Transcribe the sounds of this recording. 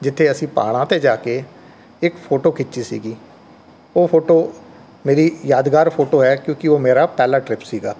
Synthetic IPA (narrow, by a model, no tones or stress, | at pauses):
d͡ʒɪt̪ʰːeːəsĩːpa̰ːɽ̃ãːt̪eːd͡ʒaːkeː | ɪkpʰoːʈoːkʰɪt͡ʃːiːsḭːɡiː | oːpʰoːʈoː | meːɾiːjaːd̪ɡaːɾpʰoːʈoːɦɛːkjõːkɪoːmeːɾaːpɛːlaːʈɾɪpsiːɡaː